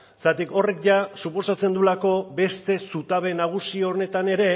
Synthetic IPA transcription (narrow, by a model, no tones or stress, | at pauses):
sat̪iko̞re̞kʝasupo̞sat͡se̞nd̪ulako̞be̞st̪e̞sut̪aβe̞naɣ̞usione̞t̪ane̞ɾe̞